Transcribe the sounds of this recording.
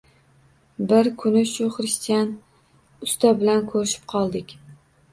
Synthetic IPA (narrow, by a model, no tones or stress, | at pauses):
bɪɾkʰʊnɪʃʊχɾɪst̪ijan | ʊst̪abɪlankʰɵɾɪʃɪ̥p̚qʰɒlˠd̪ɪkʲ